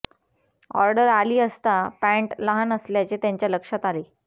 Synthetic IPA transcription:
ɔ̰ɾɖəɾaliːəst̪apæɳʈləɦanəsljat͡ɕet̪jaɲt͡ɕjaləkʂat̪ale

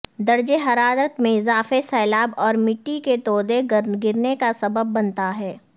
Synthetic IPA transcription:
d̪ɐɾd͡ʒeɦɐɾaːd̪ət̪mẽɪzaːfesɛːlaːbɔːɾmɪʈːiket̪ɔːd̪eɡɡɪɾnekasɐbəbːɐnt̪aɦɛː

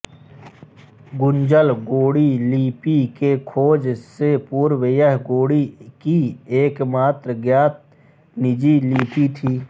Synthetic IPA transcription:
ɡʊnd͡ʒəlɡoːɽiliːpikekʰoːd͡ʒsepuːɾwejəɦɡoːɽikieːkmaːt̪ɾəɡjaːt̪̚ | nɪd͡ʒiliːpit̪ʰiː

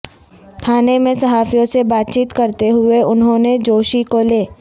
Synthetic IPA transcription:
kʰaːnemẽsɐɦaːfijõsebaːt̪̚t͡ʃiːt̪kɐɾt̪eɦʊeʊnɦõːned͡ʒoːʃikoleː

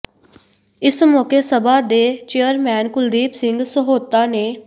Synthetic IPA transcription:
ɪsmɔːkeːsəbaːd̪eːt͡ʃejəɾmɛːnkʊld̪iːpsɪŋɡsəɦoːt̪ːaːneː

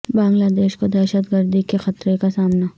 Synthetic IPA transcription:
bãːŋɡlad̪eːʃkod̪ɛːʃət̪ɡəɾd̪ikexɐt̪ɾekasaːmna

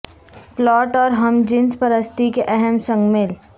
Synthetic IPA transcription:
plɔːʈɔːɾɦɐmd͡ʒɪ̃nspɐɾəst̪ʰikeʔɛɦɛmsə̃ŋɡmel

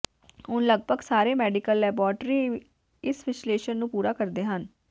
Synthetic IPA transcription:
ʊnləɡ̚bʱəɡsaːɾeːmɛːɖɪkəlːɛːbɔːɾʈɾiː | ɪsʋɪsleːʃənːũːpuːɾaːkəɾd̪eːɦən

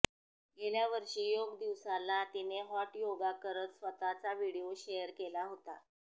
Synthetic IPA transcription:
ɡeljaʋəɾʂiːjoɡd̪iʋsalat̪ineɦɔʈjoɡakəɾət̪sʋət̪at͡saʋiɽioɕejəɾkelaɦot̪a

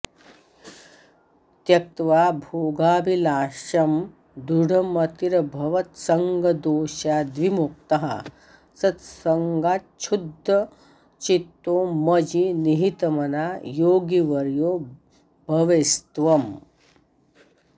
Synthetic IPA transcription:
t̪jɐk̚t̪ʋaːbʱoːɡaːbilaːʃɐm | d̪uɽʱɐmɐt̪iɾɐbʱɐʋɐt̪sɐŋɡɐd̪oːʃaːd̪ʋimuk̚t̪ɐɦɐ̰ | sɐt̪sɐŋɡaːtt͡ʃʰud̪ʱːɐ | t͡ʃit̪ːoːmɐd͡ʒiniɦit̪ɐmɐnaːjoːɡiʋɐɾjoː | bʱɐʋest̪ʋɐm

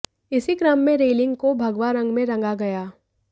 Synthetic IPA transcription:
ɪsiɡɾaːmːẽɾeːlɪ̃ŋɡkobʱɐɡʋaɾɐ̃ŋɡmẽɾɐ̃ŋɡaɡɐjaː

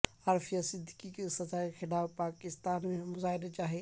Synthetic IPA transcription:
aɾfijasɪd̪ʱɪkikesɐzaːexɪlaːbpaːkɪst̪aːnmẽmʊzaːɦɪɾet͡ʃaːɦe

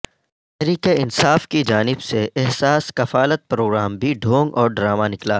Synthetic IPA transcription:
t̪ɛɦɾiːkeɪnsaːfkid͡ʒaːnɪbseʔɛɦsaːskɐfaːlət̪̚pɾoːɡɾaːmbʱiɖʱõːŋɡɔːɾɖɾaːmanɪklaː

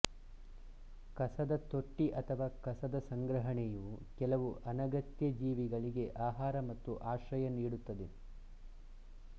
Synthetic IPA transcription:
kɐsɐd̪ɐt̪o̞ʈːiʔɐt̪ʰɐʋaːkɐsɐd̪ɐsɐŋɡɾɐɦɐɳɛjukɛlɐʋuʔɐnɐɡɐt̪jɐd͡ʒiːʋiɡɐɭiɡe̞ʔaːɦaːɾɐmɐt̪ːuʔaːʃɐjɐniːɽut̪ːɐd̪e̞

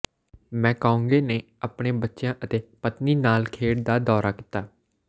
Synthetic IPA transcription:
mɛ̃ːkaːũːŋɡeːneː | apɽeːbətːʃjãːʔət̪eːpət̪niːnaːlkʰeːɽd̪aːd̪ɔːɾaːkɪ̥t̪aː

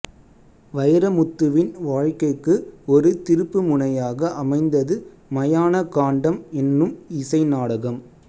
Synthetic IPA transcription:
ʋɐjɐɾɐmʊt̪ːɯʋɪnʋaːɻkɐɪkːɯɔɾɯt̪ɪɾɯpːɯmʊnɐjaːɣɐʔɐmɐɪnd̪ɐðɯ | mɐjaːnɐkaːɳɖɐmɛnːɯmɪsɐɪnaːɽɐɣɐm

